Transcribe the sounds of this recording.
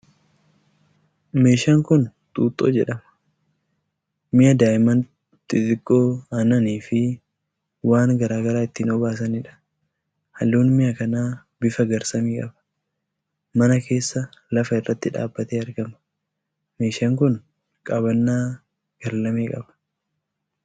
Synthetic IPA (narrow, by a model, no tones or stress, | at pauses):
me̞ːʃɐŋkʊnt̪ʼuːt̪ʼːo̰ːd͡ʒɛᶑɐmɐ̥ | mɪjɐd̪aːjɪmɐn | t̪ɪt̪ɪkʼːoːɐnɐniːfɪ | waːŋɡɐɾaːɡɐɾaːɪt̪ːinobaːs̬ɐnɪᶑɐ̥ | hɐlːuːnmɪjɐkɐnaː | bɪfɐɡɐɾsɐmiːkʼɐbɐ̥ | mɐnɐkʰe̞ːsːɐlɐfɐɪrːɐt̪ːɪᶑa̰ːbːɐt̪eːɐɾɡɐmɐ̥ | me̞ːʃɐŋkʊn | kʼɐβɐnːaː | ɡ̥ɐɾlɐmeːkʼɐbɐ̥